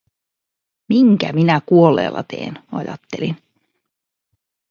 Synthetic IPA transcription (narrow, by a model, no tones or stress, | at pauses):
miŋkæminækuolːḛːlːɑ̰t̪e̞̰ːnɑjɑ̰t̪ːelin